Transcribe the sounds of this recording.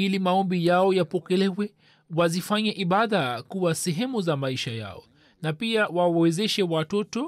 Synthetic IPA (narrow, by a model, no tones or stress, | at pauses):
ilimaɔmbijaɔjapɔkɛlɛwɛ | wazifaɲaʔiɓaðakuwasɛɦɛmuzamaiʃaja̰ɔ | napiawawawɛzɛʃɛwatɔtɔ